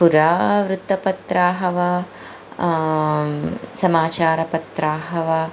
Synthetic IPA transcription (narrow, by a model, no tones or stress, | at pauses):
puɾaːʋɾut̪ːɐpɐt̪ɾaːɦɐʋɐ | sɐmaːt͡ʃaːɾɐpɐt̪ɾaːɦɐʋɐ